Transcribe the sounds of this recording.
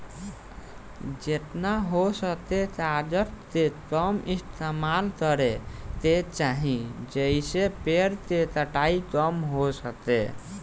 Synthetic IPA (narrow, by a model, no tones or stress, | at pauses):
d͡ʒet̪naɦosət̪et̪aɾd͡ʒəʈt̪ekəmist̪ʰemalkəɾet̪et͡ʃaɦĩd͡ʒəisepeɾt̪et̪əʈaikəmɦosət̪ḛ